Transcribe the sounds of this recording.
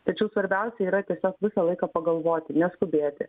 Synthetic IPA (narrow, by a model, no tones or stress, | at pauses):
t̪ɐt͡ʃʲɛʊsʋɐɾʲbʲɛʊsʲɛiːɾɐt̪ʲiɛsʲoːkʋʲɪsɐlˠɐɪkɐpɐɡɐlˠʋoːt̪ʲɪnʲɛskʊbʲeːt̪ʲɪ̰